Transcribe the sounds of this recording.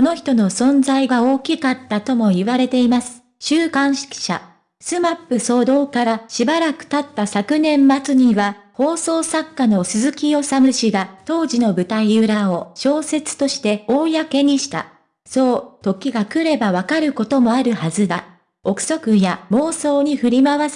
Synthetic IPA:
ono̞çi̥t̪o̞no̞sõ̞nzaiɡao̞ːkʲikat̪ːat̪o̞mo̞iβaɾe̞t̪e̞imasɨ̥ | ɕɨːkãɰ̃ɕi̥kʲi̥ɕa̰ | sɨmapːɯ̟so̞ːd̪o̞ːkaɾaɕibaɾakɯ̟̥t̪at̪ːasakɯ̟nẽ̞mːat͡sɨɲ̟iβaho̞ːso̞ːsakːano̞sɨzɨkʲio̞samɯ̟ɕiɡat̪o̞ːʑino̞bɯ̟t̪aiɯɾao̞ɕo̞ːse̞t͡sɨ̥t̪o̞ɕi̥t̪e̞o̞ːjake̞ɲ̟iɕi̥t̪a̰ | so̞ːt̪o̞kʲiɡakɯ̟ɾe̞baβakaɾɯ̟ko̞t̪o̞mo̞aɾɯ̟hazɨd̪a | o̞kɯ̟̥so̞kɯ̟jamo̞ːso̞ːɲ̟iɸɯ̟ɾʲimaβas

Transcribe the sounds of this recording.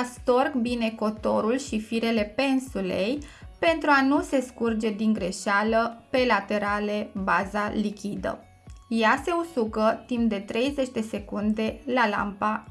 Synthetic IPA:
ast̪o̞rkbine̞ko̞t̪o̞̰ɾulʃifiɾe̞le̞pe̞nsule̞jpe̞nt̪ɾuanuse̞skurd͡ʒe̞d̪iŋɡɾe̞ʃaləpe̞lat̪e̞ɾale̞bazalikʲid̪ə̰ | jase̞usuɡət̪impd̪e̞t̪ɾe̞jze̞t͡ʃʲd̪e̞se̞kund̪e̞lala̰mpa

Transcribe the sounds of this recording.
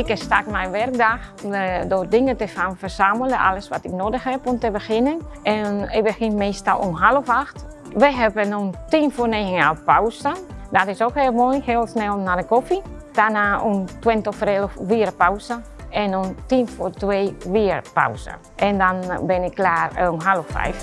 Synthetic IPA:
ɪkəsta̰kmɛjʋɛrk̚daxədordɪŋətəfanfərsamələʔa̰ləsʋatɪknoːdəxhɛpontəbəxɪnənʔɛnɪbəxɪnmeːstalˠṵnɦalˠəfaxt | ʋəɦɛbənontinfoneːxəŋalpawsədɔtɪsokheːlˠmojheːlˠsnɛlˠnadəkofi | d̥anaːʔuntwɪntəfreləfʋiəɾəpawsə | ɛnontinfortweːʋiərpa̰wsə̰ | ʔɛndɔnbɪnɪkːlaːrunɦalofɛ̰jf

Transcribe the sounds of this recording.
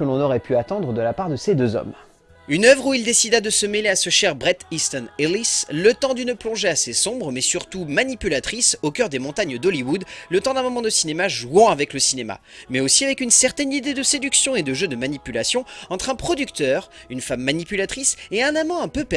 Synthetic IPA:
kəlɔ̃nɔʁɛpyat̪ɑ̃d̪ʁəd̪əlapaʁd̪əsed̪øzɔ̰m | ynœvʁuild̪esid̪ad̪əsəmeleasəʃɛʁbʁɛt̪ist̪ɔnelislət̪ɑ̃d̪ynəplɔ̃ʒeasesɔ̃bʁəmɛsyʁt̪umanipylat̪χisokʲœʁd̪emɔ̃t̪aɲəd̪ɔliwud̪lət̪ɑ̃d̪ɛ̃mɔmɑ̃d̪əsinemaʒwɑ̃avɛkləsinema̰mɛosiavɛkynsɛʁt̪ɛnid̪ed̪əsed̪yksjɔ̃ed̪əʒød̪əmanipylasjɔ̃ɑ̃t̪χɛ̃pχɔd̪ykt̪œːʁynfamːanipylat̪χiseɛ̃namɑ̃ɛ̃pøpɛ

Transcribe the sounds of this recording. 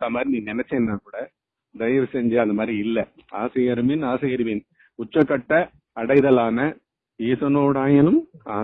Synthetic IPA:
ɐmaːd̪ɾiniːnɛnɛt͡ʃːɐnːaːkuːɽɐ | d̪ɐjɐʋsɛɲd͡ʒɐɐnðɐmaːd̪ɾiɪlːɐaːsɪɣɐɾɯmɪnaːsɪɣɐɾɯmɪn | ʊt͡ʃːɐkːɐʈːɐ | ɐɽɐɪðɐlaːnɐ | eːsɐnoːɽaːjɐlɯmaː

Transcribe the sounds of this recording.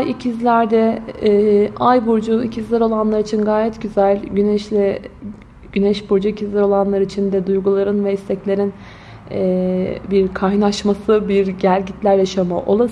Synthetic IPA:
jicʰizlʲæɾd̪ɛː | ajbuɾd͡ʒuicʰizlʲæɾo̞lˠanlˠaɾit͡ʃʰinɡaːjɛt̪ɟyzælʲɟynɛʃlɛ | ɟ̥ynɛʃbuɾd͡ʒuicʰizlʲæɾo̞lˠanlˠaɾɯit͡ʃʰind̪ɛd̪ujɡulˠaɾɯnvɛist̪ʰɛclʲeɾin | ɛːbiɾkʰajnaʃmasɯbiɾɟæɾʲɟit̪lʲæɾjaʃama̰ʔo̞̰lˠa

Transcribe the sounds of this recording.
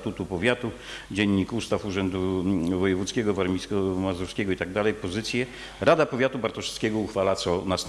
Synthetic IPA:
t̪ut̪upɔvʲjat̪u | d͡ʑɛɲːikust̪afuʐɛnd̪uvɔjɛvut̪skʲɛɡɔvaɾmʲiskɔmazɔfskʲɛɡɔit̪aɡ̚d̪alɛjpɔzɘt̪sʲjɛ | ɾad̪apɔvʲjat̪ubaɾt̪ɔʂskʲɛɡɔuxfalat̪sɔnast̪

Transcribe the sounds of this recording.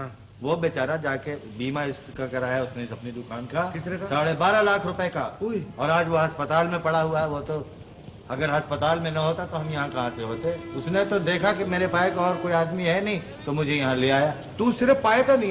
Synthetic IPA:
ʋobet͡ʃaːɾad͡ʒaːkebiːmaɪskakɐɾaːjaʊsneɪsɐpnid̪ʊkaːnkakɪt̪saːɽebaːɾalaːkʰɾʊpəekaɔːɾaːd͡ʒʋoɦɐspət̪aːlmẽpɐɽaɦuaɦɛʋot̪o | ɐɡəɾɦɐspət̪aːlmẽnɐɦoːt̪at̪oɦɐmjɐɦãkɐɦãseɦoːt̪eɦɛ̃ʊsnet̪od̪eːkʰakimeːɾepaːekaɔːɾkoːiaːd̪miɦɛnɐɦĩ | t̪omʊd͡ʒʱejɐɦãleaːja | t̪usɪɾəfpaːet̪añ

